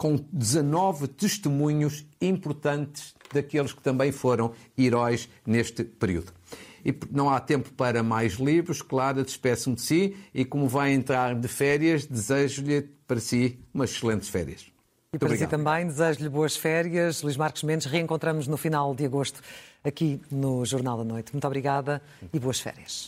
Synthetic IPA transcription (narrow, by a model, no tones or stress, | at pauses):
kõd̪ɨzɐnɔvɨt̪ɨʃt̪ɨmuɲuʃĩmpuɾt̪ɐ̃nt̪ɨʒ̥ðɐkelˠʃkɨ̥t̪ɐ̃mbɐ̃j̃foɾɐ̃w̃iɾɔjʃ | neʃt̪ɨpɨɾiṵðuipnɐ̃w̃at̪ẽmpu̥pɐɾɐmajʒlˠiβɾuʃklˠaɾɐd̪ɨʃpɛsɐ̃d̪ɨsiikomuvajẽnt̪ɾaɾd̪ɨfɛɾiɐʒd̪ɨzeʒuʎɨpɐɾɐsiumɐzʃlˠẽnt̪ʃfɛ̰ɾiɐʃ | ipt̪ɔɐβɾiɣsiaðt̪ɐ̃mbɐ̃j̃d̪ɨzɐʒuʎβoɐʃfɛɾjɐʃlˠuiʒmaɾku̥ʒmẽnʃʁɨẽŋkõnt̪ɾɐmnuʒnufinalˠd̪ɨɐɣoʃt̪u̥ɐkinuʒuɾnalˠd̪ɐnojt̪mũt̪ɔβɾiɣaðɐ | iβoɐʃfɛ̰ɾjɐʃ